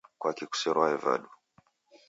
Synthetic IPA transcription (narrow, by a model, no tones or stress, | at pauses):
kwakiku̥sɛɾwaɛva̰ɗu